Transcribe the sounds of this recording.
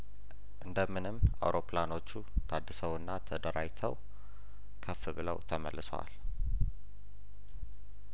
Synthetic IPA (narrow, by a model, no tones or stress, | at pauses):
ʔɨnd̪əmːɨnɨma̰wɾo̞plano̞t͡ʃːut̪ʰad̪ːɨsəwɨnːat̪ʰəd̪əɾajt̪ʰəw | kʰəfɨbɨlə̰wt̪ʰəmə̰lːɨsa̰l